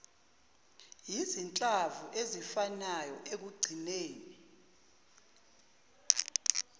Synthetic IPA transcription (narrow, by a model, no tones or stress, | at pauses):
jizint͡ɬʼavuʔezifanajɔʔek̬uɡ͡ǀʱineːni